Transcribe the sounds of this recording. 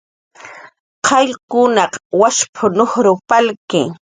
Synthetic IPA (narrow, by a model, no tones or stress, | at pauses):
qɑʎkʊnɑqwaʃpʰʊnoχɾʊpalkɪ̰